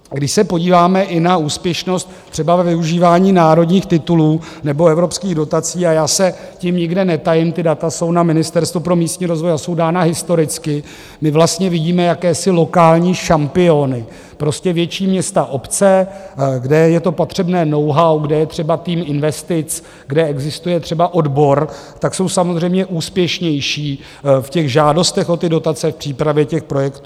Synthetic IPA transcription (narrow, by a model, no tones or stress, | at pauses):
ɡdɪʃsɛpo̞ɟiːvaːmɛʔɪnauːspjɛʃno̞st̪̚ | t̪ːr̥ɛbavɛvɪuʒiːvaːɲiːnaːɾo̞dɲiːxt̪ɪt̪uluː | nɛbo̞ɛvɾo̞pskiːɣdo̞t̪at͡siːajaːsɛcɪmɲɪɡdɛnɛt̪ajɪmt̪ɪdat̪aso̞wnamɪnɪst̪ɛɾst̪vupɾo̞miːst̪ɲiːɾo̞zvo̞jaso̞wdaːnaɦɪst̪o̞ɾɪt͡skɪ | mɪvlast̪ɲɛvɪɟiːmɛjakɛːsɪlo̞kaːlɲiːʃampɪo̞nɪ | pɾo̞scɛvjɛt͡ʃiːmɲɛst̪aʔo̞pt͡sɛɡdɛjɛt̪o̞pot̪r̝̥ɛbnɛːno̞wɦawɡdɛjɛt̪r̝̥ɛbat̪iːmɪnvɛst̪ɪt͡s | ɡdɛɛɡzɪst̪ujɛt̪r̥ɛbaʔo̞dbo̞ɾ | t̪akso̞wsamozr̝ɛjmɲɛʔuːspjɛʃɲɛjʃiː | fcɛɣʒaːdo̞st̪ɛxo̞t̪ɪdo̞t̪at͡sɛfpr̝̥iːpɾavjɛcɛxpɾo̞jɛkt̪uː